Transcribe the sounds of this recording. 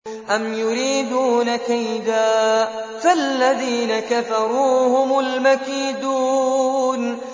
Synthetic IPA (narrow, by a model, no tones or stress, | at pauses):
ʔamjʊɾiːd̪uːnakajd̪aː | falːaðiːnakafɑɾˤuːhʊmʊlmakiːd̪uːn